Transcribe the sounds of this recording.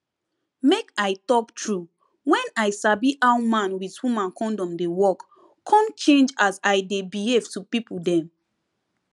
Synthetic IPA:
mekaɪtɔktʰɹu | wɛ̃naɪsabiʔawmãnwithũmãnkɔ̃ndɔ̃mdewɔk | kʰːɔ̃mt͡ʃẽnd͡ʒazaɪdebihevtupipul̩dɛ̃m

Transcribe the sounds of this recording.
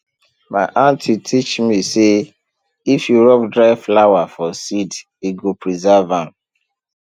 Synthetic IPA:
maɪʔãntʰitʰit͡ʃmise | ifjuɹɔpdɹaɪflawafɔsid | iɡopʰɹizavãn

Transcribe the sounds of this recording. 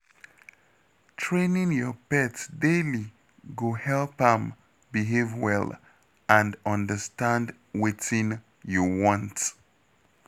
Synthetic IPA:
tʰɹẽnĩŋjɔpɛtdeli | ɡohɛlˠpə̃m | biɦevwɛl | ãndɔ̃ndəstãnd | wetĩn | juwɔ̃nt

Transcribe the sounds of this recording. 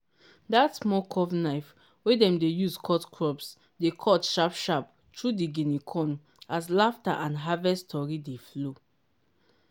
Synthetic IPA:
datsmɔkʰɔvnaɪf | wɛdɛ̃mdejuskʰɔtkʰɹɔps | dekʰɔtʃapʃap | tʰɹudiɡinikʰɔ̃n | aslafta̰ʔãnɦavɛstʰɔɹideflo

